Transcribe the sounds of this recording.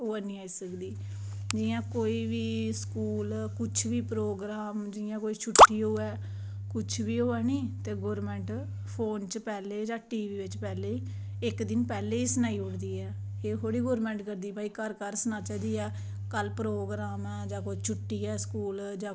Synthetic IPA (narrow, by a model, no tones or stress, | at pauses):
ɦoːɛnĩːaːiːsəkd̪iː | d͡ʒɪjãːkoːiːʋiːskuːlkʊt͡ʃʰʋiːpɾoːɡɾaːmd͡ʒɪjãːkoːiːt͡ʃʰʊʈːiːɦoːɛː | kʊt͡ʃʰʋiːoːɛːnĩːt̪eːɡoːɾmɛ̃ːɳʈ | pʰoːnt͡ʃəpɛːleːd͡ʒãːʈiːʋiːʋɪt͡ʃpɛːleː | ɪkd̪ɪnpɛːleːiːsənaːĩːʊɽd̪iːɛː | eːɦoːɽiːɡoːɾmɛ̃ːɳʈkəɾd̪iːpaːiːkəɾkəɾsənãːt͡ʃaːd̪iːɛː | kəlpɾoːɡɾaːmɛːd͡ʒãːkoit͡ʃʰʊʈːiːɛːskuːl | d͡ʒãː